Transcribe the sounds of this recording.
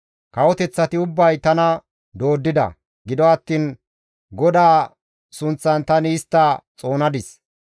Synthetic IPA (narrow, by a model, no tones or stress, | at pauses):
kɐwɔt̪ɛt͡sːɐt̪ɪʊbːɐjt̪ɐnɐ | d̪o̞ːd̪ːɪd̪ɐ̰ | ɡɪd̪ɔɐt̪ːiːn | ɡɔd̪aː | sʊnt͡sːɐnt̪ɐnɪːst̪ːɐt͡sʼo̞ːnɐd̪ɪs